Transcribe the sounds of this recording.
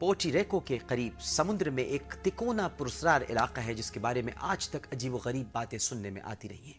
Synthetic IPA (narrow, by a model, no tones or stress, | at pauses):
poːʈiɾeːkokeqɐɾiːbsɐmʊ̃nd̪ɾəmẽʔeːkt̪ɪkoːnapʊɾʊsɾaːɾɪ̰laːqaɦɛd͡ʒɪskebaːɾemḛ̃ʔaːd͡ʒt̪ɐkɐd͡ʒiːboɣɐɾiːbːaːt̪ẽsʊnːemḛ̃ʔa̰ːt̪iɾɐ̰ɦiɦɛ̃ː